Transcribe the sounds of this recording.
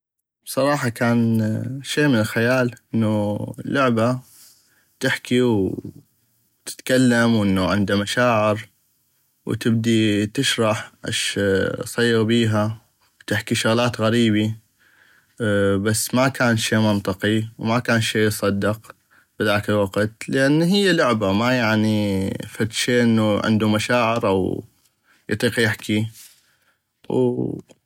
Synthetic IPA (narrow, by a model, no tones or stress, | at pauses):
b̥sˤɑɾˤɑːħɑkaːnʃeːmɪnɪlxajaːlʔɪnːulːʊʕba | t̪ɪħkiw | t̪ɪ̥t̪kalːamwʔɪnːuʕɪnd̪amaʃaːʕɪɾ | wt̪ɪb̚d̪it̪ɪʃɾˤɑħʔɪ̰ʃsˤɑjːɣbiːɦa | wt̪ɪħkiʃʊɣlaːt̪ɣaɾiːbi | basːmakaːnʃeːmɑnt̪ˤɨqiwmakaːnʃeːsˤɑd̪ːɪq | bɪðaːkɪlwɑɡt̪lɪʔanːɦɪjːalʊʕbamajaʕnifat̪ʃeːʔɪnːuʕɪ̰nd̪umaʃaːʕɪɾʔa̰w | jɑ̰t̪ˤiːqjɪħkʰi | w